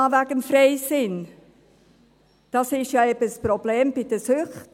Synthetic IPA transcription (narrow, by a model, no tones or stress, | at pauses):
ɑvæɡəmfreɪsɪn | d̥ɑsɪʃjɑɛbəsprobleːmb̥ɪd̥əsʏχt